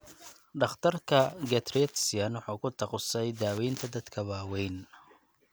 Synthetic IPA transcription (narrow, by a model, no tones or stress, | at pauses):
ɖɑχt̪ʰɐrkʰɐɡɛt̪rɛt̪sɪjɐnwʊħuːkʰʊt̪ʰɑqʊsɛjd̪aːwɛjnt̪ʰɐd̪ɐd̪kʰɐβaːwɛjn